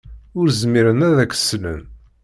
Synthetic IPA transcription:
ʊɾzmiɾənæðækːə̥sːlə̰n

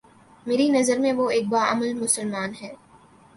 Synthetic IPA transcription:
meːɾinɐzəɾmẽʋoeːk̚baːʔɐməlmʊsəlmaːnɦɛː

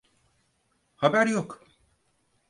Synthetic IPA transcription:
habæɾjok

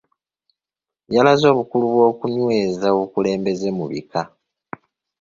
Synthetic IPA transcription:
jalazo̞ːβukuluβwo̞ːkuɲwe̞ːzawokule̞ːmbe̞ze̞muβḭka

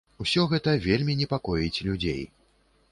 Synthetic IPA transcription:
usʲɔɣɛt̪ɐvʲelʲmʲinʲɛpakɔjit͡sʲlʲud͡zʲḛj

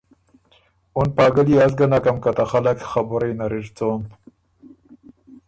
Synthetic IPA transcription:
unpɑːɡaliaz̬ɡanakamkat̪axalakxabuɾajnaɾiɾt͡som

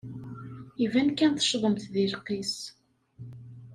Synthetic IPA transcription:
ivænkːænθə̥ʃðˤəmt̪ðilqːis

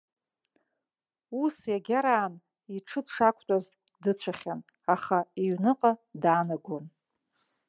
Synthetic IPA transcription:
usjaɡʲaɾaːn | iʈ͡ʂʰɨdʂakʷʰʼtʼaz | dɨt͡sʷʰaχʲan | aχaiɥnɨqʼadaːnaɡʷon

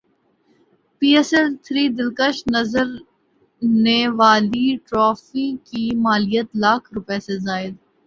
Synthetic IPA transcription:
piːɛsɛlt̪ʰɾiːd̪ɪlkəʃnɐzəɾ | neʋaːliʈɾɔːfikimaːlijət̪laːkʰɾʊpesezaːɪd̪

